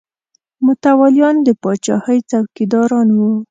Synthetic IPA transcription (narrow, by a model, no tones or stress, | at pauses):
mʊt̪awɑljɑnd̪əpɑt͡ʃɑ̰həjt͡sawkid̪ɑɾɑnwu